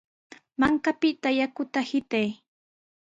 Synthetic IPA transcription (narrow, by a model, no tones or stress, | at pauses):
maŋkapɪt̪ajakʊt̪ahɪt̪aj